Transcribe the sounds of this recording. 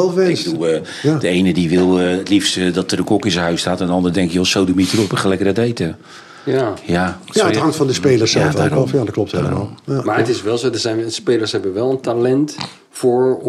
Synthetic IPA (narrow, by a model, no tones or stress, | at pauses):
ɛlˠfʋɛnsɡədulˠ | d̥əejnədiʋɪlˠəətlifstədɔtərdəkɔkɪs̬əɦœɥstaːtɛndəɑndərdɛŋkɪjɔsowdumitərɔpəχəlɛkəradejtə | jajajatɦɑŋtfɑndəspejləsɛlˠfoɔfjadɔklɔp̚theləma̰ːlˠamaːətɪsʋɛlˠzodəzɛjnspeːlˠəɹsɦɛbənʋɛlˠəntalɛnt | fʊːɹ